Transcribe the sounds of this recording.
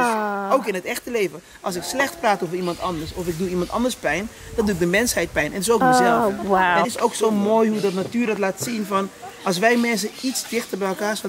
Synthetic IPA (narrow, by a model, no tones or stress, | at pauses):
oːkɪnətɛxtəlejvə | ʔɑlˠsɪkslɛxtpraːtoːvərimɑntɑndərsɔfɪk̚duimɑntɑ̰ndəspɛjn | d̥ɔnduɪk̚dəmɛnshɛjt̚pɛjnʔɛntɪsowk̚məzɛlˠwaɛtɪsowksoːmoːjhudɔtnatyːrdɑtlaːtsinfɑnɑlˠsʋɛjmɛns̬əitsdɪxtəbɛjɛlˠkaːs